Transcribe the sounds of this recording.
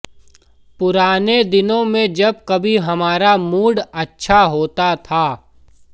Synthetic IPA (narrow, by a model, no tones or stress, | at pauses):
pʊɾaːned̪ɪnõmẽd͡ʒɐb̚kɐbʱiɦɐmaːɾamuːɽɐtːʃʰaɦoːt̪at̪ʰaː